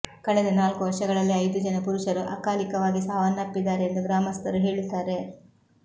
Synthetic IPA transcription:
kɐɭɛd̪ɐnaːlkuʋɐɾʂɐɡɐɭɐlːiɐjd̪ud͡ʒɐnɐpuɾuʂɐɾuʔɐkaːlikɐʋaːɡisaːʋɐnːɐpːid̪aːɾeːnd̪uɡɾaːmɐst̪ɐɾuɦe̞ːɭit̪ːaːɾe̞

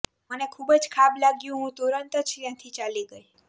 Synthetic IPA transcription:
mənekʰubəd͡ʒkʰablaɡjũɦũt̪oɾənt̪t͡ʃʰt̪jãt̪ʰit͡ʃaliɡəi

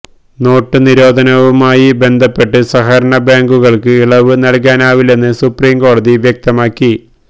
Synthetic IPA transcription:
no̞ːʈːɨniɾo̞ːd̪ʱɐnɐʋumaːjibe̞nd̪ʱɐpːe̞ʈːɨsɐɦɐɾɐɳɐbaːŋɡuɣɐɭkɨiɭɐʋɨnɐɭk̬aːnaːʋile̞nːɨsupriːmko̞ːɽɐðiʋjek̚t̪ɐmaːkːi

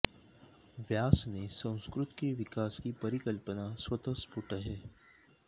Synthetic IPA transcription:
ʋjaːsnẽsɐ̃w̃skɾʊt̪keʋɪkaːskipɐɾɪkəlpənaswɐt̪əspʊʈəɦɛː

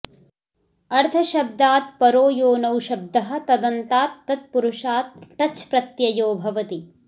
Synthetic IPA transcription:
ɐɾt̪ʰɐʃɐb̚d̪aːt̪̚pɐɾoːjoːnɐwʃɐb̚d̪ɐɦɐ̆t̪ɐd̪ɐnt̪aːt̪ːɐt̪̚puɾuʃaːt̪̚ːɐt͡ʃpɾɐt̪jɐjoːbʱɐʋɐt̪i

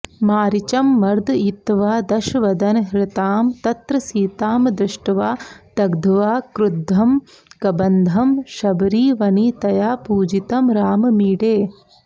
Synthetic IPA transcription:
maːɾit͡ʃɐmːɐɾd̪it̪ːʋaːd̪ɐʃʋɐd̪ɐnɦɾɪt̪aːmt̪ɐt̪ɾɐsiːt̪aːmd̪ɾɪʂʈɐʋaːt̪ɐɡd̪ʱʋaːkɾud̪ʱːɐm | kɐbɐnd̪ʱɐmʃɐbɾiːʋɐniːt̪ɐjaːpuːd͡ʒit̪ɐmɾaːmɐmiːɽeː

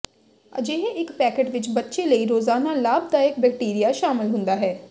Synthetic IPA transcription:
ə̰d͡ʒeːɦeʔɪkpɛːkeʈʋɪt͡ʃbətːʃeːləiːɾoːzaːnaːlaːbd̪aːɪk̚bɛkʈiːɾijaːʃaːmɪlɦʊ̃nd̪aːɦɛː

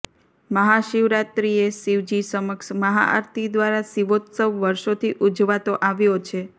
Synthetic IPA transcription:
məɦaʃiʋɾat̪ɾiesiʋd͡ʒisəməkʃməɦa̰ʔa̰ɾt̪ʰid̪ʋaɾasiʋot̪səʋːəɾʃot̪ʰiʔud͡ʒʋat̪oʔaʋjot͡ʃʰe

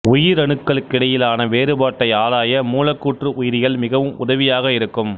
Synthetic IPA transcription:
ʊjɪɾɐɳɯkːɐɭkːɪɽɐjɪlaːnɐʋeːɾɯbaːʈːɐɪaːlaːjɐmuːlɐkːuːʈrɯʔʊjɪɾɪjɐlmɪɣɐʋɯmʊ̰ðɐʋɪjaːɣɐɪɾɯkːɯm

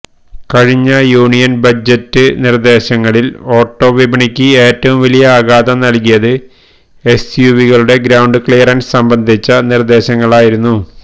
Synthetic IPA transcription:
kɐɻiɲːɐjuːɳijɐnbɐd͡ʑɐtːɨnird̪e̞ːɕɐŋːɐɭilo̞ːʈːo̞ːʋibɐɳikʲːɨe̞ːtːɐʋumʋɐlijɐaːɣaːd̪ɐmnɐlkijɐðɨ | e̞sjuʋiɣɐɭuɽe̞ɡɾɐwɳɖɨkɭijɐrɐnsɐmbɐnd̪ʱit͡ɕːɐnird̪e̞ːɕɐŋːɐɭaːjiɾunːu

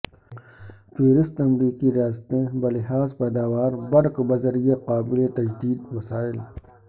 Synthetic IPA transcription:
teːɾɪst̪ɐmɾiːkiɾijaːst̪ẽbɐlɪɦaːzpɛːd̪aːwaːɾbɐɽkbɐzɐɾijaqaːbɪlet̪ɐd͡ʒd̪iːd̪mɐsaːɪl

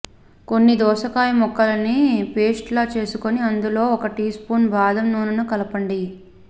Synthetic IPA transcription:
ko̞nːid̪ɔːʃɐkaːjɐmɔkːɐlɐnipeːsʈlaːt͡ʃe̞ːsuko̞niɐnd̪ulo̞ːɔkɐʈispuːnbaːd̪ʱɐmnuːnɐnukɐlɐpɐɳɖi

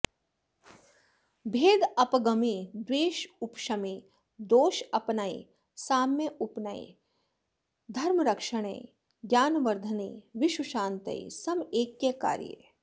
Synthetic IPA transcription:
bʱeːd̪ɐpɡɐmid̪ʋeːʃʊpʃɐmi | d̪oːʃɐpnaḭ | saːmjeʔʊpnaḭ | d̪ʱɐɾmɾɐkʃəɽ̃ḛː | ɡjaːnʋɐɾd̪ʱəniːʋɪʃuʃãːnt̪ɐ̰ḭsɐmeːkːeka̰ːɾjḛ

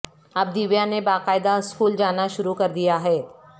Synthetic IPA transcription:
ɐb̚d̪iʋjanebaːqaːɪd̪aɪskuːld͡ʒaːnaʃʊɾukɐɾd̪ijaɦɛː

